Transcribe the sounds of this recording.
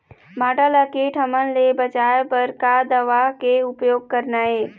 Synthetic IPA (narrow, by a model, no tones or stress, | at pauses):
bʱaːʈələkeʈʰəmənlebət͡ʃaːepɐɾkad̪əʋakeʊpjoːɡ̚kəɾnaːeː